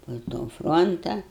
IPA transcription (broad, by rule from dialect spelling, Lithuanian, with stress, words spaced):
poː toː ˈfroːntɐ